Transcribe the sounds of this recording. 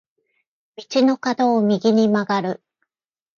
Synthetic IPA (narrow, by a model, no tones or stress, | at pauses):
mʲit͡ɕino̞kad̪o̞ːmʲiɡʲiɲ̟imaɡaɾɯ̟